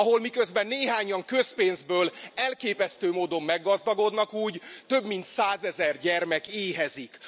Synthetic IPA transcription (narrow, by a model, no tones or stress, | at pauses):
ɒɦo̞lmikøzbɛnːeːɦaːɲɒŋkøspeːnzbøːlɛlkeːpɛst̪øːmoːd̪omːɛɡːɒzd̪ɒɡo̞d̪nɒkuːɟt̪ø̞bmint̪saːzɛzɛrɟɛrmɛkeːɦɛzik